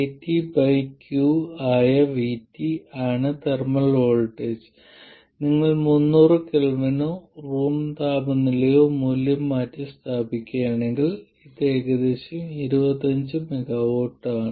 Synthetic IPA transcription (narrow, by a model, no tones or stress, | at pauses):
etːibɐjkjjuaːjɐʋitːiaːɳɨt̪ermɐɭoːɭʈes | niŋːɐɭmunːuːrɨkilɐmɐnoːruːmt̪aːbɐnːilejoːmuːljɐmːaːtːɨst̪ʰaːbikʲːaːɳe̞ŋɡiɭ | it̪e̞ːɡɐd̪e̞ːɕjɐmiɾubɐt̪ːɐɲd͡ʑɨmeɡawoːʈːaːɳɨ